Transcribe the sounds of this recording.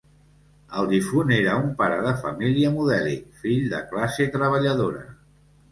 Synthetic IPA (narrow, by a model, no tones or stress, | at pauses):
əlˠd̪ifuneɾəumpaɾəðəfəmiliəmuðɛlḭfiʎd̪ə̰klaset̪ɾəβ̞əʎəðoɾə